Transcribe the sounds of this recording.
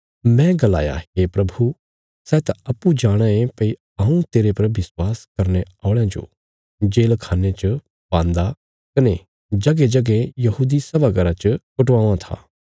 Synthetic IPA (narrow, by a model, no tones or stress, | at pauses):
mɛ̃ɡɐla̰ːja̰ɦeːpɾɐbʱu | sɛːt̪aɐpːud͡ʒaːɽ̃ãẽpɐi | aːũt̪eːɾepɐɾʋɪswaːskɐɾneaːɽ̃jãd͡ʒo̰ | d͡ʒeːlkʰaːnet͡ʃ | bãːnd̪a | kɐne | d͡ʒɐɡed͡ʒɐɡẽjɐɦuːd̪isɐbaɡɐɾat͡ʃəkʊʈʋãːãt̪ʰa̰ː